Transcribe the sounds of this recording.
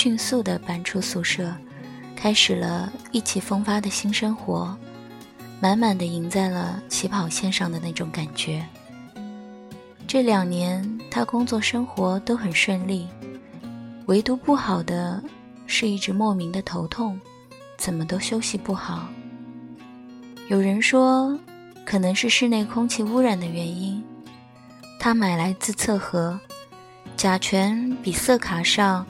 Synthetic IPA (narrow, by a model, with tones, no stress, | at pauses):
ɕy˥˧nsu˥˩d̪ə˩pa˧˥nʈ͡ʂʰu˥su˥˧ʂɤ˥˩ | kʰa˥ɪʂɻ̩˨˩lə˦i˥˩t͡ɕʰi˨˩fɤ˥ŋfa˥d̪ə˨ɕi˥ŋʂɤ˥ŋxwɔ˧˥ | ma˧˥nma˨˩nd̪ə˦i˧˥ŋt͡sa˥˩ɪlə˩t͡ɕʰi˧˥pʰɑ˨˩ʊɕjɛ˥˧nʂɑ˥˩ŋd̪ə˩na˥˩ɪʈ͡ʂʊ˧˥ŋka˨˩nt͡ɕɥɛ˧˥ | ʈ͡ʂɤ˥˩ljɑ˨˩ŋnjɛ˧˥nt̪ʰa˥kʊ˥ŋt͡swɔ˥˩ʂɤ˥ŋxwɔ˧˥t̪o˥ʊxə˨˩nʂwə˥˧nli˥˩ | we˧˥ɪt̪u˧˥pu˥˩xɑ˨˩ʊd̪ə˦ | ʂɻ̩˥˧i˥˩ʈ͡ʂɻ̩˧˥mwɔ˥˩mi˧˥ŋd̪ə˧t̪ʰo˧˥ʊt̪ʰʊ˥˩ŋ | t͡sə˨˩nmə˦t̪o˥ʊɕjo˥ʊɕi˧pu˥˩xɑ˨˩˦ʊ | jo˨˩ʊɻə˧˥nʂwɔ˥ | kʰɤ˨˩nɤ˧˥ŋʂɻ̩˥˧ʂɻ̩˥˧ne˥˩ɪkʰʊ˥ŋt͡ɕʰi˥˧u˥ɻa˨˩nd̪ə˦ɥɛ˧˥ni˥n | t̪ʰa˥ma˨˩ɪla˧˥ɪt͡sɹ̩˥˧t͡sʰɤ˥˩xɤ˧˥ | t͡ɕja˨˩t͡ɕʰɥɛ˧˥npi˨˩sɤ˥˩kʰa˨˩ʂɑ˥˩ŋ